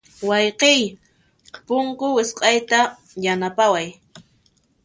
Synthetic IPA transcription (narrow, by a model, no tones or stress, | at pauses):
wɑjqɪj | pʊŋkʊwɪsqʼɑjt̪a | janapawaj